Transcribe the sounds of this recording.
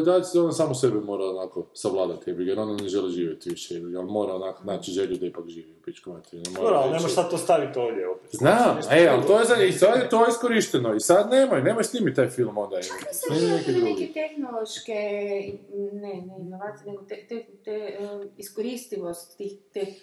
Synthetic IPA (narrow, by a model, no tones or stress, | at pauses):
d̪alsonasaːmosebimo̞ːɾaonako̞saʋlˠaːd̪at̪iɛbijeɾonaneʒeliʒiːʋjet̪iʋiʃɛjebiɡalmo̞ːɾaonakonaːt͡ʃiʒeʎud̪aipakʒiːʋiupit͡ʃkomat̪iinemoɾoɾalnemoʃsad̪̚t̪ost̪aʋit̪oʋd̪ʲjeope̥znaːmealt̪ojezait̪ojet̪o̞jeiskoɾiʃt̪enoisad̪neːmajneːmaʃsnʲimit̪ajfilˠmo̞nd̪aisniminekeɡ̪uneɡket̪exnolˠoʃke | neneinoʋat̪ineɡot̪et̪et̪eiskoɾiːst̪iʋost̪ːixt̪ex